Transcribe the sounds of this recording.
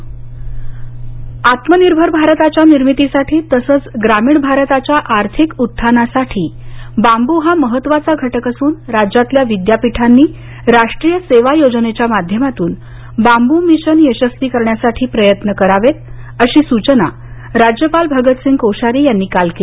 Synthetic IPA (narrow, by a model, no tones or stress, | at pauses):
at̪məniɾbʱəɾbʱaɾt̪at͡ɕjaniɾmit̪isaʈʰiːt̪əsəːt͡sɡɾamiːɳbʱaɾət̪at͡ɕjaʔaɾt̪ʰikut̪ʰːanasaʈʰiːbambuɦaməɦət̪ːʋat͡saɡʱəʈəkəsuːnɾad͡ʑat̪ljaʋid̪japiʈʰanːiː | ɾaʂʈɾijəseʋajod͡znet͡ɕjamad̪ʱjəmat̪uːn | bambumiɕənjəɕəst̪iːkəɾɳjasaʈʰiːpɾəjət̪nəkəɾaʋet̪ | əɕiːsut͡ɕəna̰ | ɾad͡ʑjəpalbʱəɡət̪siŋɡkowɕaɾiːjanːiːkalkee